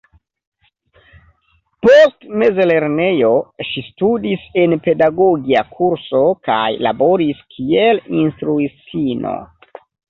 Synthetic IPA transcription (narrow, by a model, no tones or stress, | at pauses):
po̞stme̞zele̞ɾne̞jo̞ʃistudise̞npe̞daɡo̞ɡiakʰuɾso̞ka̰jla̰bo̞ɾiskʰielinstɾuit͡sino̰